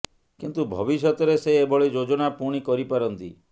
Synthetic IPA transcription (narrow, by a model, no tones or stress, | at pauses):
kint̪ubʱɔ̰biʃjɔt̪ɔɾeseːbɔɭid͡ʒod͡ʒɔnapuɽ̃ikɔɾipaɾɔnt̪ḭ